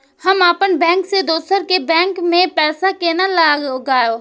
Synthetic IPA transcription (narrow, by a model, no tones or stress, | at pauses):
həmaːpənbɛ̃ːŋksed̪oːsəɾkebɛ̃ːŋkmẽpɛːsakeːnalaːɡɡaːjoː